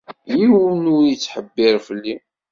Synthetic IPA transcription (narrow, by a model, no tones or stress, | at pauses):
jiwənuɾjət͡sːħəbːɪɾfəlːi